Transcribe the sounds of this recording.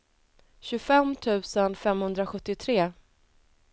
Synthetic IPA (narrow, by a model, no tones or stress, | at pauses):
ɕɵfɛmt̪ʰʉ̟ːsənfɛmhɵnd̪ɾaɧɵt̪ːɪt̪ʰɾeː